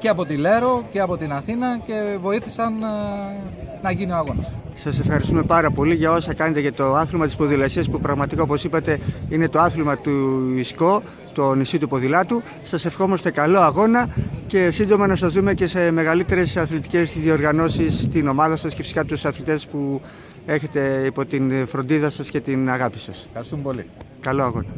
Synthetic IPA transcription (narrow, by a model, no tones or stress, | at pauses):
ceɐpo̞t̪ile̞ɾo̞ce̞ɐpo̞t̪inɐθinɐce̞vo̞iθisɐn | nɐʝinioɐɣo̞nɐssɐse̞fxɐɾist̪ume̞pɐɾɐpo̞liʝɐo̞sɐkɐne̞t̪ecet̪o̞ɐθilmɐt̪i̥spo̞ðilɐsiɐspupɾɐɣmɐt̪ikaoposipɐt̪e̞ine̞t̪oɐθilmɐt̪uisko̞ | t̪o̞nisit̪upo̞ðilɐt̪u | sɐse̞fxo̞mɐst̪e̞kɐlo̞ɐɣo̞nɐce̞sind̪o̞mɐnɐsɐzðume̞ce̞se̞me̞ɣɐlit̪e̞ɾe̞sɐθlit̪i̥ce̞zðio̞ɾɣɐno̞sist̪ino̞mɐðɐsɐscefisi̥kɐpot̪usɐθlit̪e̞spu | e̞çe̞t̪e̞ipo̞t̪infɾo̞nd̪iðɐsɐsce̞t̪inɐɣɐpi̥sɐssumli | kɐlo̞ɐɣo̞nɐ